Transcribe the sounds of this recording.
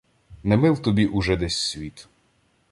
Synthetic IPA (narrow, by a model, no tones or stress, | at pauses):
nɛmɪlˠt̪ɔbʲiʔʊʒɛd̪ɛsʲsʲʋʲit̪